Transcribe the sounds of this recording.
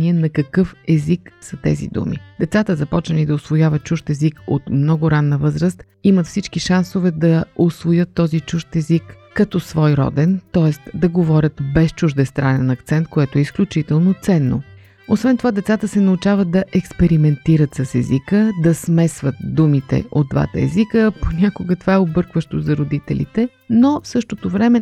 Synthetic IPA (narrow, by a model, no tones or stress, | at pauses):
iɛnɐkɐkɤfɛziksɐt̪ɛ̰zḭd̪ṵmḭd̪̥ɛt̪sat̪əzɐpɔt͡ʃnəlid̪ɐosvojavət̪̚t͡ʃuʃt̪ɛziko̰t̪mnɔɡʊɾanːəvɤzɾəst̪ | imət̪fsit͡ʃkiʃansovɛd̪ɐosvojət̪ːɔzit͡ʃuʃt̪ɛzikː | ɐt̪ɔsvɔjɾɔ̰d̪ɛnt̪ɔɛst̪d̪ɐɡovɔɾʲət̪bɛst͡ʃuʒd̪ɛst̪ɾanɛnɐkt̪sɛnt̪̚koɛt̪oɛisklʲut͡ʃit̪ɛlˠnot̪sɛnːo̰ | osvɛnt̪ovad̪ɛt̪sat̪əsɛnɐut͡ʃavət̪̚d̪ɐʔɛkspɛɾimɛnt̪iɾət̪sɐsɛzikəd̪ɐsmɛsvət̪̚d̪umit̪ɛ̰ʔod̪̚d̪va̰t̪ə̰ɛ̰zikəponʲakʊɡət̪ovaɛobɤɾkvəʃt̪ozɐɾod̪it̪ɛ̰lʲḭt̪ɛ | nofsɤʃt̪ot̪ovɾɛmɛ